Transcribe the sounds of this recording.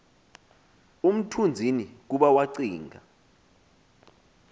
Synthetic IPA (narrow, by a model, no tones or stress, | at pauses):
um̩tʰund͡zʱinik̬uɓawaǀiːŋʱa̰